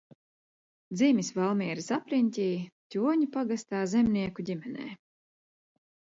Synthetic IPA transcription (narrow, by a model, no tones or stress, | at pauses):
d̪zimʲisvalˠmiɛɾisapɾinʲt̪ʲiːt̪ʲuɔɲupaɡast̪aːzɛmniɛkudʲimʲɛnɛ̰ː